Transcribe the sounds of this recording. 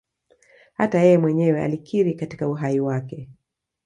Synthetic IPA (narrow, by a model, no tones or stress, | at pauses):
hatajɛjɛmwɛɲɛwɛa̰likʰiɾikati̥kauɦaiwakɛ